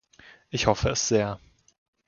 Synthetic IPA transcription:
ʔɪçhɔfəɛsz̥eːɐ

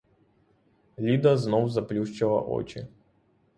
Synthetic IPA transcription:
lʲid̪əznowzɐplʲuʂt͡ɕɪlˠɐ̰ʔo̰t͡ɕɪ̰

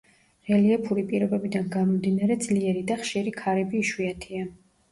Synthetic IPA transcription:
ɾɛliɛpʰuɾipʼiɾɔbɛbid̪anɡamɔmd̪inaɾɛd̪zliɛɾid̪aχʃiɾikʰaɾɛbiːʃwiat̪ʰia

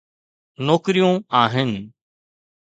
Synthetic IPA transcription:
nɔːkɪɾijõaːɦɪnɪ̆

